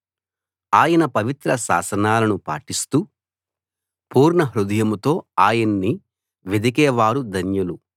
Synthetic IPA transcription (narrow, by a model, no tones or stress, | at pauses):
aːjɐnɐpɐʋit̪ɾɐsa̰ːsɐnaːlɐnupa̰ːʈist̪uː | puːɾɳɐɦɾud̪ɐjɐmut̪o̞ːaːjɐnːi | ʋed̪ʱik̬ɛːʋaːɾud̪ʱɐnjɐlu